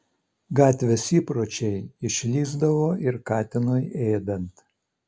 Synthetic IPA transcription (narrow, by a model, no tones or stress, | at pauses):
ɡɑːt̪ʲʋʲɛsʲiːpɾoːt͡ʃʲɛɪɪʃʲlʲiːzd̪ɐʋoːʔɪɾkɑːt̪ʲɪnoːjeːd̪ɐnt̪